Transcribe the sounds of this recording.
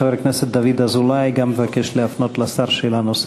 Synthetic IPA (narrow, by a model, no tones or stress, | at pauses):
aveɾkneset̪̚d̪avid̪azulajɡamːevakeʃleafnot̪lasaʁʃelanos